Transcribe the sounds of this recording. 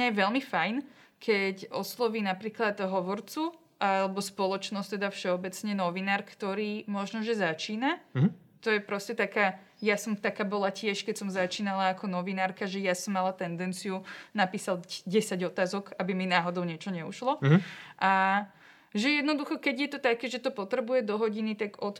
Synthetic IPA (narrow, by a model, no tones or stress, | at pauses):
ɲajɛʋɛlmifajn | kʰɛcɔslˠɔʋiːnapɾiːklad̪ɦɔʋɔɾt͡su | ʔalɛbɔspɔlˠɔt͡ʃnɔst̪ɛd̪afʃɛɔbɛt͡sɲɛnɔʋinaːɾkt̪ɔɾiːmɔʒnɔʒɛzat͡ʃiːna | t̪ɔjɛpɾɔscɛt̪akaː | jasɔmt̪akaːbɔlacɪɛʃkɛcsɔmzat͡ʃiːnalaːkɔnɔʋinaːɾkaʒɛjasɔmːalat̪ɛnd̪ɛnt͡sijunapiːsalɟɛsaɟɔt̪aːzɔɡabiminaːɦɔd̪ɔʊɲɪɛt͡ʃɔɲɛuʃlɔʔa | ʒɛjɛd̪nɔd̪uxɔkɛɟjɛt̪ɔt̪akɛːʒɛt̪ɔpɔt̪ɾɛbujɛd̪ɔɦɔɟinit̪aɡɔt̪